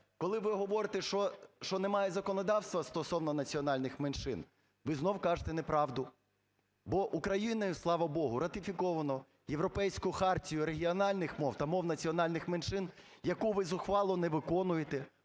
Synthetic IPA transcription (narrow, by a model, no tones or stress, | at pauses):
kɔlˠɪʋɪɦɔʋɔɾɪt̪ɛʃɔʃt͡ʃɔnemɑjɛzɐkɔnɔd̪ɑwst̪ʋɐst̪ɔsɔwnɔnɐt͡sʲiɔnɑlʲnɪxmenʃɪn | ʋɪznɔwkɑʒet̪ɛnepɾɑʋd̪ʊ | bɔʔukɾɐjinɐjʊslˠɑʋɐbɔɦʊɾɐt̪ɪfʲikɔʋɐnɔ | jeʋɾɔpɛjsʲkʊjʊxɑrtʲijʊɾeɦʲiɔnɑlʲnɪxmɔwt̪ɐmɔwnɐt͡sʲiɔnɑlʲnɪxmenʃɪnjɐkuʋɪzʊxʋɑlˠɔneʋɪkɔnʊjet̪ɛ